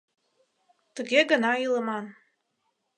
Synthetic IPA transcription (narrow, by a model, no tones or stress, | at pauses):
t̪əɣʲeɡənɑilə̆mɑn